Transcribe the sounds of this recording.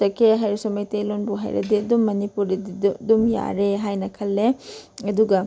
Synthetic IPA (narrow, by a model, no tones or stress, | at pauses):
ɐkːeɦɐjɾisɔmɐjt̪elonbuɦɐ̰jɾɐ̰d̪ed̪umːɐnipuɽid̪id̪ud̪umja̰ːɾeɦaːjnɐkʰɐlːeɐd̪uɡɐ